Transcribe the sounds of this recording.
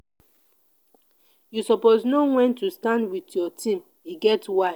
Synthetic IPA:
jusɔpoznowɛ̃ntustãndwitjɔtʰĩm | iɡɛtwa

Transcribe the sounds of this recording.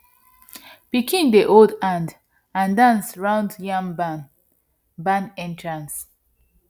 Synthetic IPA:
b̥ikʰĩndiʔoldãnd | ãndãnsɹãʊ̃ndjʌ̃ŋ | bãnɛ̃ntʰɹãns

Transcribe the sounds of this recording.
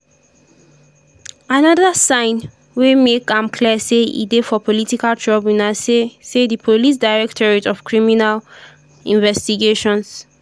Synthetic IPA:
anaðəsãɪ̃n | wemekãmkʰliəseḭdefɔpʰɔlitikaltʰɹɔbĩnasesedipʰolis̬daɪɹɛk̚tʰɔɹitɔfkʰɹiminal | ḭ̃nvɛstiɡeʃɔ̃ns

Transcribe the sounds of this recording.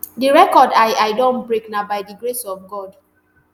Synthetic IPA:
diɹɛkɔdaɪaɪdɔ̃nbɹeknabaɪdiɡɹesɔfɡɔd

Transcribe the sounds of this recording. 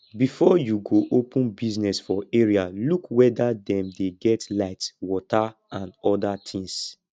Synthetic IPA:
bifɔjuɡoʔopũnbiznɛsfɔeɹialukwɛdadɛ̃mdeɡɛtlaɪtwɔtʰa | ãnɔdatʰĩŋs

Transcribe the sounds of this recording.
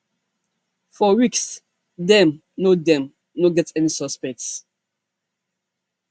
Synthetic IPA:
fɔwiks | dɛ̃m | nodɛ̃m | noɡɛtɛnisɔspɛk̚ts

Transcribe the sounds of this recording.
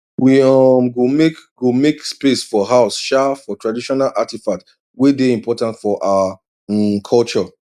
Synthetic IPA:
wiɔmɡomekɡomekspesfɔɦaʊsʃafɔtʰɹadiʃɔnalʔatifat | wedeĩmpʰɔtãntfɔʔaa | kʰɔlt͡ʃɔ

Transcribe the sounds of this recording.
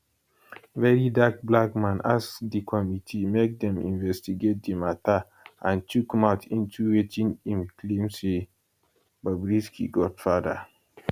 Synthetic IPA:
vɛɹidak̚blakmãnasdikʰɔmitʰimek̚dɛ̃mḭ̃nvɛstiɡet̚dimata | ãntʰukmaʊtʰĩntʰuwetʰĩnĩmkʰlẽmse | babɹiskiɡɔd̥fada

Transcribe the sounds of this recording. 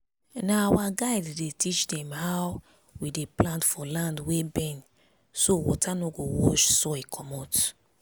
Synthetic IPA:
naːwaɡaɪddetit͡ʃdɛ̃mhaw | wideplãntfɔlãndwebɛ̃n | sowɔ̰tʰanɔɡowɔʃsɔikʰɔmɔt

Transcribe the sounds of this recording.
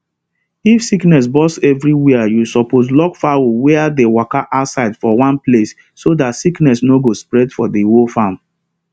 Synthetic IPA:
ifsiknɛs̬bɔsɛvɹiwɛajusɔposlɔkfawowɛadewakaʔaʊtsaɪdfɔwãnplesː | odatsiknɛsnoɡospɹɛdfɔdewofãm

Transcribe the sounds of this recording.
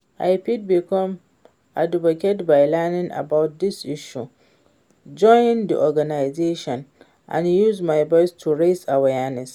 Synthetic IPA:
ʔajpɪd̚bikɔ̃m | ʔa̰dɪbɔkʲɛdbajlanɪ̃ŋʔa̰bawt̚d̪ɪsʔɪʃu | d͡ʒɔjnd̪ḭʔɔɡanajzeːʃɔ̃n | ʔã̰njuzmajbɔjstʰuɹejsawajanɛs

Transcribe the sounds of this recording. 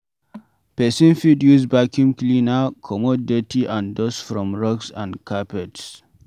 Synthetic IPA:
pɛsĩnfidjusbakĩŋklinakʰɔmɔdetiʔãndɔsfɾɔ̃mɹɔksã̰nkapɛts

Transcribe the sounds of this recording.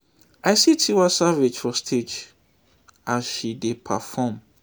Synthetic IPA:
ʔaɪsitʰiwasavid͡ʒfɔstʰed͡ʒ | azʃidepʰa̰fɔm

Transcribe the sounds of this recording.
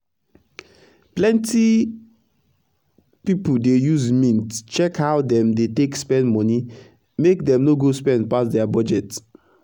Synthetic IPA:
plɛ̃nti | pipudejuzmĩntt͡ʃɛkhawdɛ̃mdetekspɛ̃ndmɔ̃ni | mekdɛ̃mnoɡospɛ̃ndpasdɛabɔd͡ʒɛt

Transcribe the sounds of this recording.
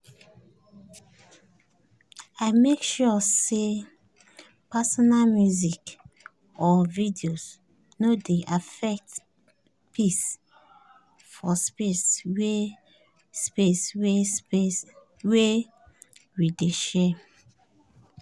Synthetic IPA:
aɪmekʃɔse | pasɔnalmjuzik | ɔvidios | nodeʔafɛk̚t | pʰis | fɔspeswe | speswees | we | wideʃɛ

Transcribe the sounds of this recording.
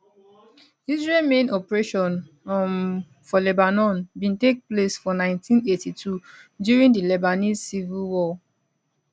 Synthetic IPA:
izɹelmẽnɔpɹeʃɔ̃n | m | fɔlɛbanɔ̃nbĩntek̚plesfɔnãɪ̃ntʰĩnetitʰu | djuɹĩndəlɛbanizsivilwɔl

